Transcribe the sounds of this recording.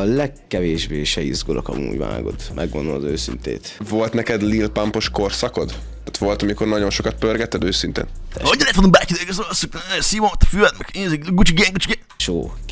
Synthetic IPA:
ɒlɛkːɛveːʒbeːʃɛizɡolʔokɒmṵːɟva̰ːɡo̞t̪mʔɛɡʋond̪omɒzøːsint̪ḛːt̪volt̪nɛkɛd̪lilpampo̞ʃkorsɒkod̪ | ḁt̪ʋo̞lt̪ɒmiko̞rnɒɟo̞nʃokɒt̪̚pørɡɛt̪ːɛd̪øːsint̪ḛːnoɲːɔlɛːt̪ʋonombaːkinekøssuk̪nɛsiʋomt̪ːfylɛt̪mɛkeːziɡut͡ʃiɡɛŋɡut͡ʃiɡe | ʃoːk

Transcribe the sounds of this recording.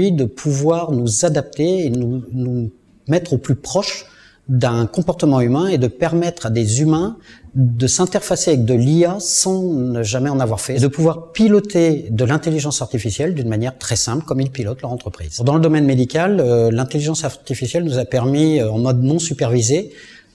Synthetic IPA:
id̪əpʰuvwaʁnuzad̪ap̚t̪eːnunu | mɛt̪χoplypχɔʃ | d̪ɛ̃kɔ̃pɔʁt̪əmɑ̃ymɛ̃ed̪əpɛʁmɛt̪χad̪ezymɛ̃d̪əsɛ̃t̪ɛʁfaseavɛk̚d̪əliasɑ̃əʒamɛɑ̃navwaʁfɛd̪əpuvwaʁpilɔt̪ed̪əlɛ̃t̪eliʒɑ̃saʁt̪ifisjɛld̪ynmanjɛʁt̪χɛsɛ̃plkɔmilpilɔt̪lœʁɑ̃t̪χəpχḭːzd̪ɑ̃ləd̪ɔmɛnmed̪ikʲalølɛ̃t̪eliʒɑ̃sat̪ifisjɛlnuzapɛʁmiɑ̃mɔd̪nɔ̃sypɛʁvize

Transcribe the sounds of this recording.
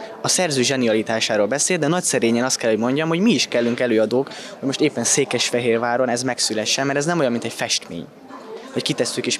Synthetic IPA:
ɒsɛrzøːʒɛniɒlit̪aːʃaːɾoːlbɛseːld̪ɛnɒcsɛɾeːɲɛnɒst̪kɛlho̞ɟmo̞ɲɟɒmho̞ɟmiːʃkɛlːyŋkɛløːɒd̪oːk | ho̞ɟmo̞ʃt̪eːpːɛnseːkɛʃfɛɦeːrvaːɾo̞nɛzmɛksylɛʃːɛnmɛɾɛznɛmo̞jɒnmint̪ɛcfɛʃt̪mḛːɲ | vɒckit̪ɛsːykeːʃ

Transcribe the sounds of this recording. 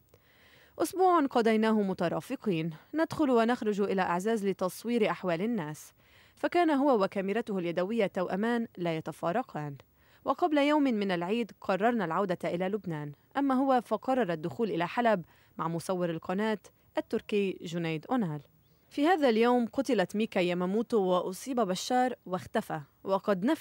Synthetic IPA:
ʔʊsbuːʕanqɑd̪ajnaːhʊmʊt̪ɑɾˤɑ̰ːfɨqiːnːad̪xʊlwanaxɾˤʊd͡ʒʊʔɪlaʔaʕzaːzlɪt̪ɑsˤwiːɾʔaħwaːlɪnːaːs | fakaːnaɦʊwawakamɪɾat̪ʊhaljad̪awɪjːat̪ːawʔamaːnlaːjat̪afɑːɾˤɑqʰɑːn | wɑqɑblajawmɪmɪnalʕiːd̪qʰɑrˤːɑɾˤnalʕawd̪aʔɪlalʊbnaːnʔamːaɦʊwafɑqɑrˤːɑɾˤɑd̪ːʊxuːlʔɪlaħalab | maʕmʊsˤɑwːɪɾɪlqʰɑnaːt̪ | ʔat̪ːʊɾkɪjʒʊnaːd̪ʔʊnaːl | fiːhaːðaljaːmqʊt̪ɪlat̪miːkajamamuːt̪ʊwɪʔʊsˤiːbabaʃːɑːɾˤwaxt̪afa | wɑqɑd̪na

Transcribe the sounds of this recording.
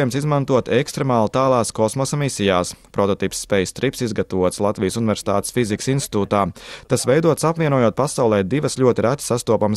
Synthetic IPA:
jumsizmant̪uɔt̪ɛkst̪ɾemaːlˠt̪aːlˠaːskɔsmɔsamisʲijaːspɾɔt̪ɔt̪ipsːpɛjst̪ɾipsizɡat̪aʋuɔt̪slˠat̪ʋijsunɪvʲɛɾsi̥t̪a̰ːt̪e̥sfiziki̥sinst̪i̥t̪uːt̪aːt̪asʋɛjd̪uɔt̪sapviɛnuɔjuɔt̪̚pasawlˠɛːd̪iʋəslʲʎʲuɔt̪iɾat̪ʲsast̪uɔpams

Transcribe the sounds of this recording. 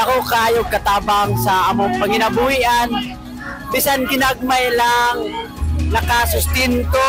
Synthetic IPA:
ɐkokaːjokːɐt̪aːbaŋsɐʔɐmoŋpɐŋɪnɐbuhiʔan | pɪsanɡɪnaɡ̚majlaŋnɐkɐsʊst̪ɛnt̪o

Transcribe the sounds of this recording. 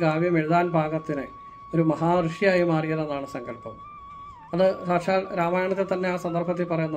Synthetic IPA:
ɡaːʋjɐmeɻuðaːnbʱaːɣɐt̪ːinɨ | o̞ɾumɐɦaːrɨʂijaːjimaːrijɐðenːaːɳɨsɐŋɡɐɭpːɐm | ɐðɨsaːʂaːlɾaːmaːjaɳɐt̪ːet̪ːɐnːe̞aːsɐnd̪ɐrpɐt̪̬ːipɐrɐjunːɐ

